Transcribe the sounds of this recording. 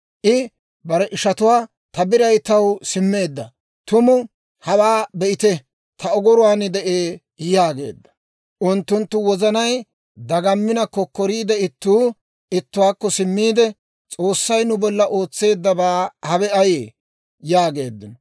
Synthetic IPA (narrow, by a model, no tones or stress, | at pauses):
ʔɪ | bɐɾɛʔɪʃɐt̪ʊwaː | t̪ɐbɪɾɐjt̪ɐwsɪmːe̞ːd̪ːɐ | t̪ʊmʊ | hɐwaːbɛʔɪt̪ɛ | t̪ʰɐɔɡɔɾʊwaːnɪd̪ɛʔeː | jaːɡe̞̰ːd̪ːɐ̥ | ʔʊnt̪ːʊnt̪ːʊwɔzɐnɐj | d̪ɐɡɐmːɪnɐkɔkːɔɾiːd̪ɛɪt̪ːuː | ɪt̪ːʊwaːkːɔsɪmːiːd̪ɛ | t͡sʼo̞ːsːɐjnʊbɔlːɐʔo̞ːt͡sːe̞ːd̪ːɐbaːhɐβɛɐjeː | jaːɡe̞̰ːd̪ːɪnɔ